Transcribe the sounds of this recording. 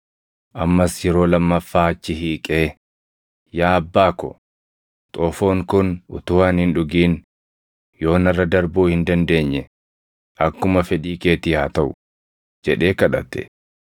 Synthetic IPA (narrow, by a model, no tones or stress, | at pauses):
ʔɐmːɐsjɛɾo̞ːlɐmːɐfːaːɐt͡ʃːɪɦiːkʼeː | jaːɐbːaːkɔ̰ | t̪ʼoːfo̞ːŋkʊnʊ̰t̪ʊwaːnhɪnᶑʊɡiːn | jo̞ːnɐrːɐd̪ɐɾbuːhɪnd̪ɐnd̪e̞ːɲːɛ | ʔɐkːʊmɐfɛᶑiːke̞ːt̪ɪhaːt̪ɐʔʊ | d͡ʒɛᶑe̞ːkɐᶑɐ̰t̪ːɛ̰